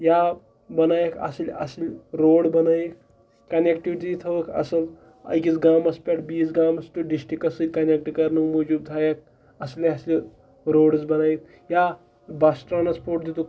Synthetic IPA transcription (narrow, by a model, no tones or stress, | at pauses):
ja | bənajeka̰slʲa̰slʲɾoɽbɐnajek | kːɐnekʈiʋiʈit̪ʰɐʋəkʰɐ̰səl | ɐ̰jkit͡sɡamɐspʲaʈbiːd͡zɡamɐsʈ̪uɖisʈɾikɐsɨlʲkɐnek̚ʈikɐɾnumud͡ʒub̚t̪ʰajek̚ | ɐsliɐsli | ɾoːɽt͡sbɐnajit̪̚ | ja | basʈɾanaspoʈ̚d̪it̪u